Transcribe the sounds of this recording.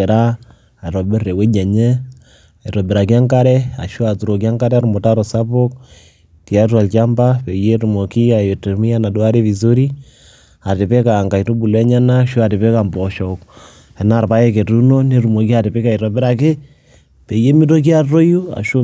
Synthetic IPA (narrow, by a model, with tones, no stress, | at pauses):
e˨ɾa˦ | a˨ɾɔ˨be˦re˨we˦ɲa˨ɲɛ˦ | a˨i˨ɾɔ˨be˨ɾa˨ki˦a˦ŋka˦ɾɛ˦a̰˨ʃo˦a˨tu˨ɾo˨k̬i˦a˦ŋka˦ɾɛ˦ɾʊ˨mɔ˨ta˦ɾɔ˨sa˦po˦k̚ | ti˨a˦twa˨lt͡ʃa˦mba˦pe˨je˦ɾu˨mo˨ki˦a˨jo˨te˨ɾmi˦a˦na˨dwa˦ɾe˦βi˨so˦ɾi˦ | a˨tɪ˨pe˦ka˨ŋɡa˨jto˦bu˨lɛ˦ɲa˦na˦ʃo˦a˨tɪ˨pe˦ka˨mbɔ˨ʃɔ˨k | ɛ˨na˨ɾpa˦jɛ˦ke˨tu˦no˦ne˨ɾu˨mo˨ki˦a˨tɪ˨pe˦ka˨i˨ɾɔ˨be˦ɾa˨k̬e˦ | pe˨je˦mi˦to˦k̬i˦a˦to˦ju˦a̰˨ʃo˦